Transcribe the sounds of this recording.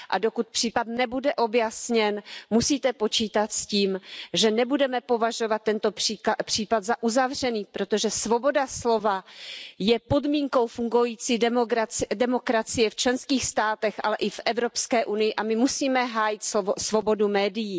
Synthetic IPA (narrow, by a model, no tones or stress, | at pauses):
ʔa̰do̞kut̪̚pr̥iːpat̪nɛbudɛʔo̞bjasɲɛnmusiːt̪ɛpo̞t͡ʃiːt̪at̪sciːmʒɛnɛbudɛmɛpo̞vaʒo̞vat̪ːɛnt̪o̞ipr̝̥iːpat̪zaʔuzavr̝ɛniːpɾo̞t̪o̞ʒɛsvo̞bo̞daslo̞vajɛpo̞dmiːŋko̞wfuŋɡojiːt͡siːɛmoɾadɛmokɾat͡sɪjɛft͡ʃlɛnskiːxst̪aːt̪ɛxʔa̰lɛʔɪfʔɛvɾo̞pskɛːʔunɪjɪʔamɪmusiːmɛɦaːjɪt̪sovsvo̞bo̞dumɛːdɪjiː